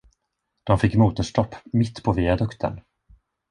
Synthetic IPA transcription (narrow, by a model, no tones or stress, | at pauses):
d̪̥ɔmfɪkːmuːt̪əʂʈɔpːmɪt̪ːpʰɔviad̪ɵkt̪ʰə̰n